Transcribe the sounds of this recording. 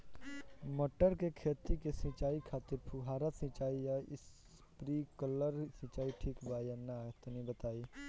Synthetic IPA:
məʈːəɾkekʰeːt̪ikesĩt͡ʃaːikʰaːt̪ɪɾpʰuɦaːɾasɪ̃t͡ʃaːijaɪs | pɾikələɾsĩːt͡ʃaːiʈʰiːkbaːjanat̪nibət̪aːiː

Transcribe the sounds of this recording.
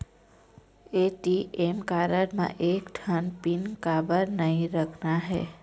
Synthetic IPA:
eʈiemkaɾəɾmã̰ʔekʈʰənpinkabəɾnəĩɾəkʰnaɦɛ̰

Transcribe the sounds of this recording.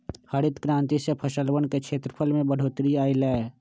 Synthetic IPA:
həɽɪt̪kɾãːnt̪isepʰəʃəlwənkekʃʰeːt̪ɾəpʰəlmẽbəɽ̤ʱoːt̪ɾiaːilɛː

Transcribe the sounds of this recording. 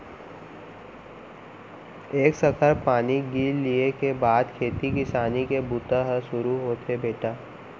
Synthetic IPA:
eːksəkʰəɾpaːniɡiːllːiekebaːd̪kʰeːt̪ikɪsaːnikebut̪aɦəʃʊɾuɦoːt̪ʰebeːʈaː

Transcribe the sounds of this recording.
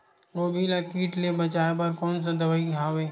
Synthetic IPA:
oːbʱilakiːʈlebɐt͡ʃaːepɐɾkɔːns̬ad̪ɐʋaiɦaːweː

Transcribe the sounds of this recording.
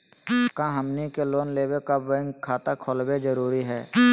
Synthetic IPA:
kãɦəmnikeloːnleːwekabə̃ŋɡkʰaːt̪akʰoːlbed͡ʒəɾuːɾiɦɛː

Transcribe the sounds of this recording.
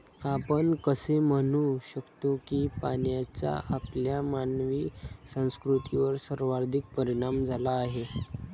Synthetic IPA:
apəɳkəsemənuɕəkt̪okiːpanjat͡ɕa̰apljamanʋiːsə̃w̃skɾut̪iʋəɾsəɾʋaɾd̪ʱik̚pəɾiɽ̃amd͡zʱalaːɦe

